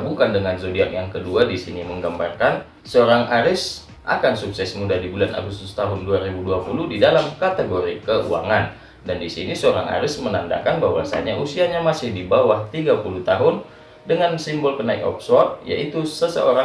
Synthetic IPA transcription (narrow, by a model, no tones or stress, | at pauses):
bukandəŋanzodiakjaŋkəduadisiniməŋɡambarkan | səoɾaŋaɾɪs | ʔa̰kansuksɛsmudadibulana̰ɡust̪ʊst̪aɦʊnduaɾibuduapuluhdidalamkat̪əɡoɾikəʔṵa̰ŋan | dandisinisəoɾaŋʔa̰ɾɪsmənanda̰kanbaɦwasa̰ɲaʔusiaɲamasɪhdibawaht̪iɡapulut̪aɦʊn | dəŋansimbɔlkənaɪk̚ɔ̰psɔrt̪̚ja̰ʔit̪usəsə̰oɾa